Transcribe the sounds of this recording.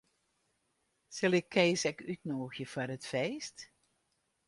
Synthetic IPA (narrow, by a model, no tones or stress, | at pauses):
sɪlˠɪkʰːɛːsɛkytnoːxjəfɔrətfeːst